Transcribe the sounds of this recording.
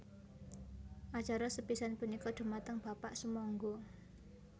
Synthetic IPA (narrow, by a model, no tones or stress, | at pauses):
ʔat͡ʃaɾɔsəpisanpunikɔd̪̥ə̤mat̪əŋb̥a̤paʔsəmɔŋɡɔ